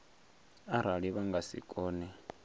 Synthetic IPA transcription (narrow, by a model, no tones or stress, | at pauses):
aɾ̤aɺiβaŋɡasḭkʼɔːnɛ